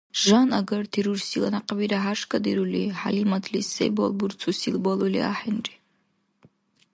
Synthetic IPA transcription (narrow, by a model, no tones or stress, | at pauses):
ʒanaɡaɾt̪ʰiɾursila̰naqbiɾaɦaʃkʰʼad̪iɾuliħalimad̪lisḛjbɔ̰lˠbuɾt͡sʰusilbɔlˠulḭa̰ħenri